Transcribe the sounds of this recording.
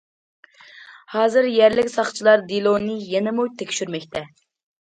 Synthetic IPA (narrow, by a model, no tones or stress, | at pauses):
hɑːzɨɾjɛɾlɪkʲsɑχt͡ʃʰilˠɑɾd̪ilˠonɨjɛnɛmujt̪ʰekʲʃyɾmɛkʲt̪ʰɛ